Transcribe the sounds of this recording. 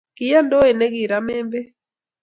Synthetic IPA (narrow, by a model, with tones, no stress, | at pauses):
ki˨ja˦ndɔ˦ɛ˨nɛ˦ɡi˨ɾa˦mɛ˦mbɛ˦